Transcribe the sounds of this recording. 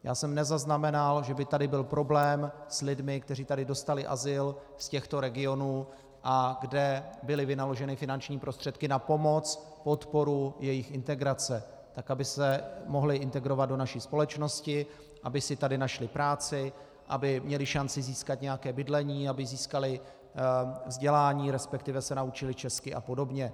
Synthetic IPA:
jʔa̰ːsɛmnɛzaznamɛnalʒɛbɪt̪adɪbɪlpɾo̞blɛːmslɪdmɪk̚t̪ɛriːt̪adɪdo̞st̪alɪʔa̰zɪl | scɛxt̪o̞ɾɛɡɪo̞nuː | ʔaɡdɛbɪlɪvɪnalo̞ʒɛnɪfɪnant͡ʃɲiːpɾo̞st̪r̥ɛt̪kɪnapo̞mo̞t͡s | po̞t̪po̞ɾujɛjɪxɪnt̪ɛɡɾat͡sɛ | t̪akabɪsɛmo̞ɦlɪʔɪnt̪ɛɡɾo̞vat̪do̞naʃiːspo̞lɛt͡ʃno̞scɪ | ʔabɪsɪt̪adɪnaʃlɪpɾaːt͡sɪ | ʔabɪmɲɛlɪʃant͡sɪziːskat̪ɲɛjakɛːbɪdlɛɲiːabɪziːskalɪ | vzɟɛlaːɲiːɾɛspɛkt̪ɪvɛsɛnaut͡ʃɪlɪt͡ʃɛskɪʔa̰po̞do̞bɲɛ

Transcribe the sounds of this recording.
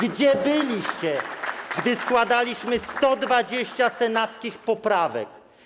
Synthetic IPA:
ɡd͡ʑɛbɘlʲiɕt͡ɕɛɡd̪ɘskwad̪alʲiɕmɘst̪ɔd̪vad͡ʑeɕt͡ɕasɛnat̪skʲixpɔpɾavɛ̰k

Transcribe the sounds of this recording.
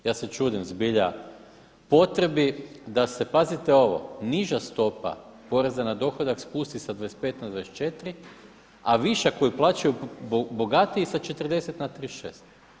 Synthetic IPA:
jaːset͡ʃuːd̪imzbiʎa | po̞t̪ɾe̞bid̪ase̞pazit̪eo̞ʋo̞̰niʒast̪o̞pa̰ | po̞ɾe̞zanad̪o̞xod̪akspuːst̪isad̪vaes̚pe̞t̪nad̪ʋaest͡ʃe̞t̪ɾi | aʋiʃako̞jiplˠat͡ʃajubo̞ɡat̪iisat͡ʃe̞t̪ərd̪e̞set̪nat̪ɾiʃe̞ːst̪

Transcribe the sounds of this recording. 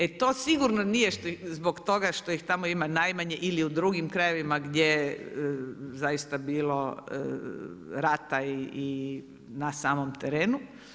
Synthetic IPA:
et̪o̞ːsiɡuɾnonijeʃt̪oizbo̞kt̪o̞ɡaʃt̪o̞ixt̪amoimanajmaɲeʔiliud̪ɾuɡimkɾajeʋimaɡd̪jeje | zajist̪abiːlo̞ə | ɾat̪aiː | nasaːmo̞mt̪eɾeːnu

